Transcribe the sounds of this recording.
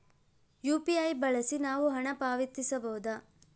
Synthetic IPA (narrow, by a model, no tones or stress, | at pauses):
juːpiɐjbɐɭɐsinaːʋuɦɐɳɐpaːʋit̪ːisɐbɐɦud̪a